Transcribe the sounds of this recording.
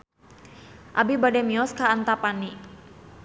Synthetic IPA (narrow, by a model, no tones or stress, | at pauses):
ʔabibadɛmiɔskaːnt̪apani